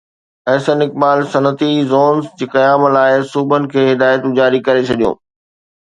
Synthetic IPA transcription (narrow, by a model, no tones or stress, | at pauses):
ɛːsənɪk̚baːlsɐnət̪izoːnsd͡ʑeːkɐjaːmlaːɪsuːbənɪ̆kʰeːɦɪd̪aːjət̪ʊ̃d͡ʑaːɾikɐɾet͡ɕʰɐɗijõ̰ː